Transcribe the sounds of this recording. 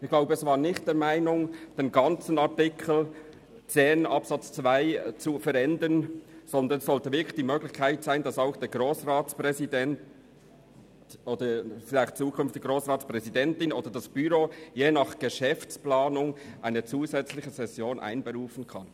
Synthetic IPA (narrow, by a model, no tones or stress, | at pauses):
ɪçɡlaʊbəɛsvaːɐnɪxtd̥ɛːɐmaɪnʊŋd̥eːnɡɑnt͡sən̩ɑɐtɪkʰl̩ | t͡seːnʔɑpsɑt͡st͡svaɪt͡sufɛɾɛndənz̥ɔnd̪ənsɔltəvɪɐkʰlɪçd̥iːmøːɡlɪçkʰaɪtz̥aɪnd̥ɑsaʊxd̥eːɡʁoːsʁaːt͡spʁɛzidɛn | tʔoːdəfɪlaɪxt̚t͡suːkʰʏnft̪ɪɡʁoːsʁaːt͡spʁɛzidɛntɪnoːdədɑsb̥yɾoːjeːnɑχɡ̥əʃɛft͡splaːnʊŋʔaɪnət͡suːzɛt͡slɪçəzɛsjoːnʔa̰ɪnbəɾuːfn̩kʰɑn